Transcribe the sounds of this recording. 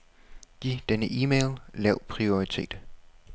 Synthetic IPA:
ɡ̥ḭːd̥enəʔiːmeːllɛʊ̰pʰʁio̝it͡sʰe̝̰ːd̥

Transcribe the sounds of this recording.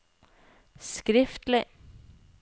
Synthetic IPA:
skɾɪft̪lɪ

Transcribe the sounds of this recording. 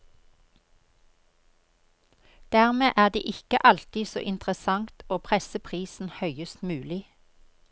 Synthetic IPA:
d̪̥æːʁmeːʔæːʁd̪ḛːʔɪkəʔɑlt̪ɪso̰ːʔɪnt̪ʁəsɑŋt̪oːpʰʁɛsəpʰʁiːsn̩hœʏəst̪mʉːlɪ

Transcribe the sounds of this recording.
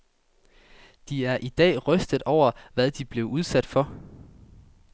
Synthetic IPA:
d̥iæɐʔid̥ɛ̰ːʁœsd̥ð̩ˠɒʊ̰ɐʋæð̞ˠd̥ib̥le̝ʊuð̞ˠsæd̥fɒ̽

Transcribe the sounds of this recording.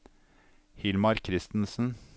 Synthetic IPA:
hɪlmɑɾkʰɾɪst̪n̩sn̩

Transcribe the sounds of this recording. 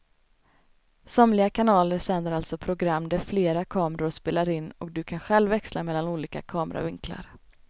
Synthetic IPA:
sɔmlɪɡakʰanɑːləɾsɛnd̪əɾalt̪sɔpʰɾʊɡɾamːd̪æɾfleːɾakʰɑːmɾʊɾspeːlaɾɪnːɔk̚d̪ɵkʰanɧɛlvːɛkslamɛlːanuːliːka̰kʰɑːməɾa̰vɪŋkla̰ɾ

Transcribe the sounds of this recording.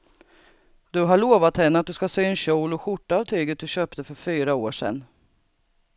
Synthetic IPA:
d̪̥ɵɦaɭoːvat̪hɛnːəat̪̚d̪ɵskasyːɛnɕɔːlɔɧʊʈːaːvt̪ʰyːɡət̪̚d̪ɵɕøːpt̪əfœɾfyːɾaoːʂɛ̰nː

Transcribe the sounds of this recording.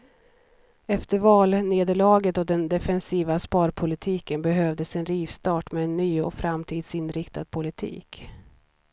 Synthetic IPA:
ɛft̪əɾvɑːlneːd̪əɭɑːɡət̪ɔd̪ɛnd̪ɛfɛnsiːvaspɑːɾpʰʊlɪt̪ʰiːkənbɛɦøvd̪əsɛnɾiːvst̪ɑːʈmɛːnːyːɔfɾamt̪ʰiːd̪sɪnɾɪkt̪ad̪̥̚pʰʊlɪt̪ʰḭːk

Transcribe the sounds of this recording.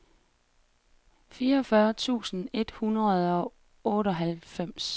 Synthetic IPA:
fiːɐɒfɶɐt͡sʰṵːsn̩e̝d̥hunʁɐð̩ˠɒ̽ | ɔ̽ːɾɒ̽ɦælfem̰s

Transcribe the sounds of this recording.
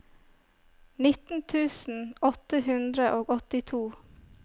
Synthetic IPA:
nɪt̪n̩t̪ʰʉːsn̩ɔt̪əhʉnd̪ɾəʔoːɡɔt̪ɪt̪ʰuː

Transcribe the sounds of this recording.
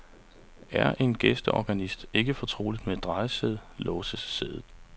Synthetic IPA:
æɐʔe̝nɡ̥esd̥əʔɒ̰ɡ̥ænisd̥e̝ɡ̥əfɒ̽t͡sʰʁo̝̰ːlid̥med̥ʁɑ̈ɪəseðˠlɔːsəsːeðˠð̩ˠ

